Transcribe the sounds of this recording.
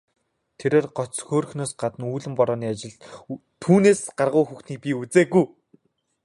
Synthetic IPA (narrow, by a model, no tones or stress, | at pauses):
t̪ʰeɾeːrɢɔt͡sxoːrxnoːsɢat̪ə̆nuːɮɘ̆mpɔɾɔːniːat͡ɕɪ̆ɮt̪ʰuːneːsɢarʁʊːxuxt̪niːk̚pʲiut͡seːɡuj